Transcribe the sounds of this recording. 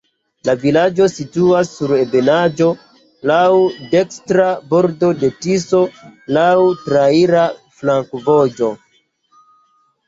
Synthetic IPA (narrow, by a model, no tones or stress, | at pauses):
lavilad͡ʒo̞situasːuɾe̞be̞nad͡ʒo̞ | lawde̞kstɾabo̞ɾdo̞de̞tiso̞lawtɾaiɾa | flaŋkvo̞d͡ʒo̞